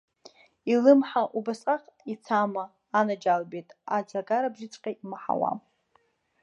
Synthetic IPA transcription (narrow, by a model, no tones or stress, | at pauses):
ilɨmħaʔubasʼqʼaqʼit͡sʰamaː | nad͡ʒalbetʼad͡zaɡaɾabʒɪt͡sʷʼqʲʼaimaħa̰wa̰